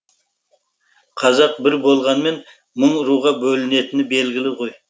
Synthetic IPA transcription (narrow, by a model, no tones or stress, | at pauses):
qʰɑzɑq̚bɪɾbo̞lˠʁɑnme̞n | məɴʊɾuʁɑbɵlɪne̞t̪ɪnɪbe̞lɡʲɪlɪʁo̞j